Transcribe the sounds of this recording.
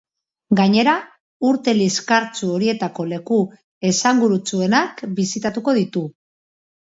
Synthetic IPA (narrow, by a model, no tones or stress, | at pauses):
ɡaɲe̞ɾa | uɾt̪e̞liskaɾt͡suo̞ɾie̞t̪ako̞le̞ku | e̞saŋɡuɾut͡sue̞nakbisit̪at̪uko̞ðit̪u